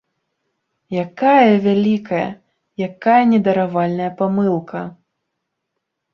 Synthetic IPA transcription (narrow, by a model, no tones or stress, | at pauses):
jakajɐvʲalʲikɐjɐ̰ | jakajɐnʲɛd̪ɐɾavalʲnɐjɐpamɨlˠkɐ